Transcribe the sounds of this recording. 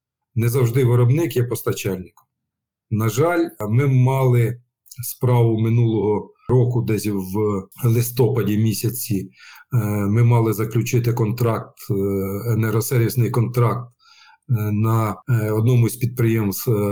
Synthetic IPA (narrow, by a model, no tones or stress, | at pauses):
nɛzɐwʒd̪ɪʋɪɾɔbnɪkjɛpɔst̪ɐt͡ʃɑlʲnɪkɔ̥m | nɐʒɑlʲmɪmɑlˠɪ | spɾɑʋʊmɪnulˠɔɦɔ | ɾɔkʊd̪ɛsʲwlˠɪst̪ɔpɐdʲimʲisʲɐt͡sʲi | mɪmɑlˠɪzɐklʲʊt͡ʃɪt̪ɪkɔnt̪ɾɑk̚t̪ | ɛnɛɾɔsɛɾʲʋʲisnɪjkɔnt̪ɾɑk̚t̪̚ | nɐɔd̪̚nɔmʊsʲpʲid̪̚pɾɪjɛms